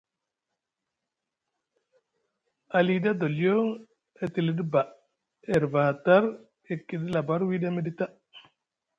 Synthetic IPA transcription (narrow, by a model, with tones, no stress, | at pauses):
a˨li˨da˦d̪o˨ljo˦ | ɛ˨t̪i˨li˦dba˨ | ɛ˨ɾva˨ha˨ta˦ɾ | e˨ki˨di˦la˨ba˦ɾwi˦da˦me˦di˦t̪a˦